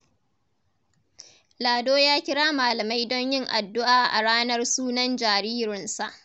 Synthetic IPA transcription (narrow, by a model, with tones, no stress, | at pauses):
laː˨doː˦jaː˦kʲɪ˦ɽaː˦maː˨lɐ˨ma˦jdɔ˦ɲjɪ˦ŋʔa˨dːʊ˦ʔaː˨ʔa̰˨ɽaː˦nɐ˦rsuː˦nɐ˦nd͡ʒaː˨ɾiː˦ɾɪ˨nsa˨ʔ